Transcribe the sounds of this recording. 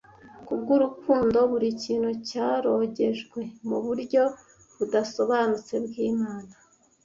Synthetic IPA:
kubɡuɾukuːndo̞βuɾiciːn̥hucaːɾo̞ɟe̞ʒɡwe̞muβuɾɟo̞ | βudaso̞βanut͡se̞bɡiːmaːna

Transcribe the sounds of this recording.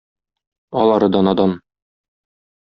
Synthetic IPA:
ɒlˠɑɾɤd̪ɒnɑd̪ɑn

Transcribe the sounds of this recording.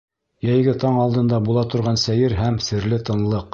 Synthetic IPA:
jæjɡɘt̪ɑɴɑlˠd̪ɤ̆nd̪ɑbulˠɑt̪ŏɾʁɑnsæjɘɾɦæmsɘ̆ɾlɘt̪ɤ̆nlˠɤq

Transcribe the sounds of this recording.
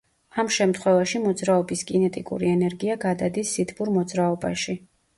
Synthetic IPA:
amʃɛmt̪ʰχwɛvaʃimɔd̪zɾaɔbisɡʼinɛt̪ʼikʼṵɾiɛnɛɾɡiaɡad̪ad̪isːit̪ʰbuɾmɔd̪zɾaɔbaʃi

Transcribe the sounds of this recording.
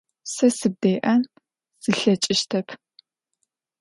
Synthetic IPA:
sɐsɨb̚deːʔɐn | z̥ɨɬɐt͡ʃʼɪʃtʰɐpʰ

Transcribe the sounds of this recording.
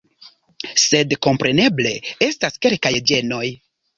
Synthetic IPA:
se̞dko̞mpɾʔe̞ne̞ble̞e̞staske̞lkajd͡ʒe̞no̞j

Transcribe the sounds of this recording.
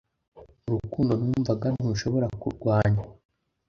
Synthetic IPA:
uɾukuːndo̞nuːɱvaɡanuːʃo̞βo̞ɾakṵɾɡwaːɲa

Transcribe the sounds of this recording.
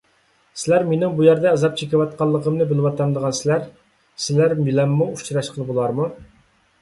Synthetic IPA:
sɪlæɾmenɪŋbujæɾd̪ɛːzɑp̚t͡ʃʰekʲɪwɑt̪̚qɑlˠːəqʰəmnɨbɪlɪwɑt̪ɑnd̪əʁɑnsɪlæɾ | sɪlæɾmilɛmːuut͡ʃʰɾɑʃqʰəlˠɨbolˠɑɾmu

